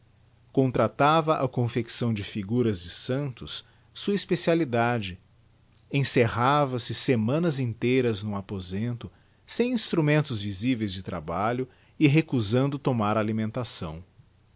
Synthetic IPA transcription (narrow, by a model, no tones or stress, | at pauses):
kõnt̪ɾat̪avɐʔɐkõfeksɐ̃w̃d͡ʒɪfiɡuɾɐzd͡ʒɪsɐ̃nt̪ʊs | suɐispesialid̪ad͡ʒɪ | ẽsehavɐsɪsemɐ̃nɐzĩnt̪ejɾɐznʊapozẽnt̪ʊ | sẽj̃ĩst̪ɾumẽnt̪ʊzvizivejzd͡ʒɪt̪ɾa̰baʎʊ | ɪɦekuzɐ̃nd̪ʊt̪omaɾalimẽnt̪asɐ̰̃w̃